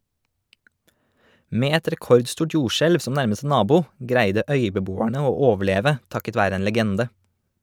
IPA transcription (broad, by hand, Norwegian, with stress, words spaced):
ˈmeː ˈɛt ɾɛˈkɔɾdˌstuːʈ ˈjuːʃɛlʋ ˈsɔm ˈnæɾməs ˈnɑːbuː ˈɡɾæɪdə ˈœʏbəˌbuːæɳə ˈoː ˈoːʋəˌɭeːʋə ˈtɑkət ˈʋæːɾə ˈeːn ləˈɡɛndə